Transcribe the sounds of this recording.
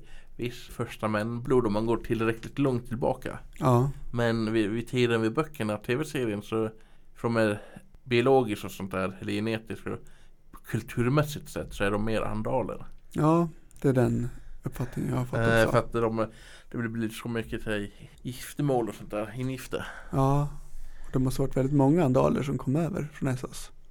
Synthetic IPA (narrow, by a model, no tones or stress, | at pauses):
vɪsfœʂʈamɛnːbluːd̪ɔmanɡoːʈʰɪlːɾɛkːlɪt̪lɔŋt̪ʰːɪlbɑ̰ːka̰ɑmɛnvɪvɪt̪ʰiːd̪ənvɪbœkʰːəɳaʈ̪ʰeːvɛseːɾɪənsɔ | fdɔmæɾ | bɪʊloːɡɪskasɔnt̪æːɾɛlːəjɛneːt̪ɪska̰ | kʰɵlt̪ʰʉ̟ːɾmɛsːɪt̪sɛ̰t̪ːsɔæɖɔmːeːɾʔa̰nd̪ɑːlə̰ɾjɑː | d̪̥ɛæɖɛnɵpːfat̪nɪŋə̰njahafɔfəɾat̪̚d̪ɔm | d̪̥ɛbɪlblisɔmʏkːət̪ʰɪ | jɪft̪əmoːlɔsɔnt̪̚d̪æːɾɪnjɪft̪ə̰ɾɑːɔd̪ɛmɔst̪əʋaʈːvɛlɪt̪mɔŋːaand̪ɑ̰ːlə̰ʂɔmkʰɔmːøːvə̰ɾfɾɔnɛsɔ̰s